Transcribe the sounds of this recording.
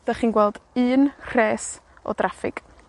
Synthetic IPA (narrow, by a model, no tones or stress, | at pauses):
d̥əχiːnɡwɛlˠdɨːnr̥eːs | ɔ̰drafɪ̰ɡ̥